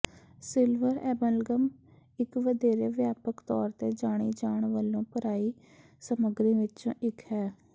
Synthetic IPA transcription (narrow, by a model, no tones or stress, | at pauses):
sɪlʋəɾɛːbəlɡəm | ɪkʋəd̪eːɾeːʋjaːpəkt̪ɔːɾt̪eːd͡ʒaːɽ̃iːd͡ʒaːɳʋəlːõːpəɾaːiː | səməɡɾẽːʋɪt͡ʃõ̰ːʔɪkɦɛː